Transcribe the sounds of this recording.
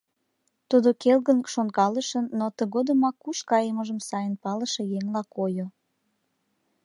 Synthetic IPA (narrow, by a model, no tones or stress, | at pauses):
t̪ud̪okelɣənʃonɣɑləʃənːot̪əɣod̪əmɑkːuʃkɑjəməʒəmsɑjənpɑləʃejeŋlɑkojo